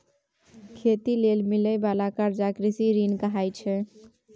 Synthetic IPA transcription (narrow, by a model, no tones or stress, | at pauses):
kʰet̪ilelmiləjbalakəɾd͡ʒakɾisiɾinkəɦajt͡ʃʰɛ